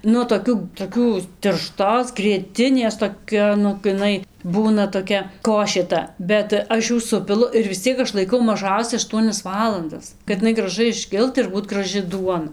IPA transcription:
ˈnʊ toːˈkʲuː toːˈkʲuː tʲɪrˈʃtoːs ɡrʲiɛˈtʲɪnʲeːs toːˈkʲɛ ˈnʊ ɡʲɪ ɪˈnɐɪ ˈbuːnɐ toːˈkʲɛ ˈkoːʃʲeː ˈtɐ bʲɛt ˈɐʃ ˈjuː ˈsʊpʲɪlˠʊ ɪr ʋʲɪs ˈt͡sʲiɛk ˈɐʃ lˠɐɪˈkɐʊ mɐˈʒɐʊsʲɛ ɐʃˈtuɔnʲɛs ˈʋɑːlˠɐndɐs kɐt ɪˈnɐɪ ɡrɐˈʒɐɪ ɪʃʲˈkʲɪlˠt ɪr ˈbuːtʲɪ ɡrɐˈʒɨ ˈduɔnɐ

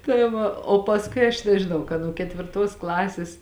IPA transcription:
tɐɪ ˈʋɐ oː pɐsˈkʊɪ ɐʃ nʲɛʒʲɪˈnɐʊ kɐ nuɔ kʲɛtʲʋʲɪrˈtoːs ˈklˠɑːsʲeːs

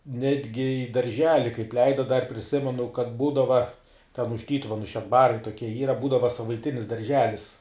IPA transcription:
ˈnʲæːdʲɡʲɪ iː dɐrʲˈʒʲæːlʲɪ kɐɪp ˈlʲɛɪdɐ dɐr pʲrʲɪˈsʲɪmʲɛnʊ kɐt ˈbuːdɐʋɐ tʲɛn ʊʃ ˈtʲiːtʊʋʲɛnʊ ʃʲɛdˈbɑːrɐɪ toːˈkʲiɛ ˈiːrɐ tʲɛn ˈbuːdɐʋɐ sɐʋɐɪˈtʲɪnʲɪs dɐrʲˈʒʲæːlʲɪs

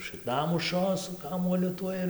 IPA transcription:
ʃɨkˈnʊmʊʃʲoː sʊ ˈkɑːmuɔlʲʊ ˈtuɔj ɪr

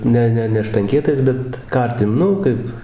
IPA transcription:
ˈnʲɛ ˈnʲɛ nʲɛ ʃtɐŋʲˈkʲiɛtɐɪs ˈbʲɛt ˈkɐrʲtʲɪm ˈnʊ kɐɪp

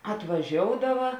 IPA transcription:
ɐtʋɐˈʒʲoːʊdɐʋɐ

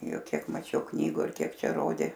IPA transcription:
ˈjʊk ˈkʲiɛk mɐˈt͡ʃʲɛʊ ˈknʲiːɡʊ ɪr ˈkʲiɛk ˈt͡ʃʲɛ ˈroːdʲeː

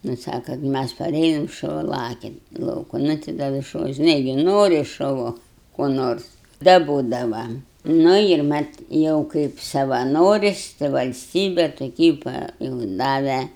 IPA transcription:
nʊ ˈsɑːkɐ ˈmʲæs pɐˈrʲeːjoːm ʃʊˈʋɐ ˈlˠɑːkʲɛ ɪn ˈlˠɐʊkʊ ˈnʊ tʲɪ ˈdɐ ʋʲɪs ʃʊˈʋɐ ʒʲɪˈnɐɪ ɡʲɪ ˈnoːrʲɪ ʃʊˈʋʊ koː ˈnoːrs dɐˈboːdɐʋɐ ˈnʊ ɪr ˈmɐt ˈjɛʊ kɐɪp sɐʋɐˈnoːrʲɪsʲ tɐɪ ʋɐlʲˈsʲtʲiːbʲɛ toːˈkʲiː pɐ juːʊ ˈdɑːʋʲɛ

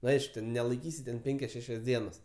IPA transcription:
nʊ ˈɐɪʃkʊ tʲɛn nʲɛlˠɐɪˈkʲiːsʲɪ tʲɛn ˈpʲɛŋʲkʲɛs ˈʃʲæːʃʲɛs ˈdʲiɛnɐs

